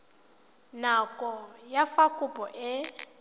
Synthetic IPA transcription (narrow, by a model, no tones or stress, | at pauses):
nakʼɔjafakʼʊpʼɔʔɪ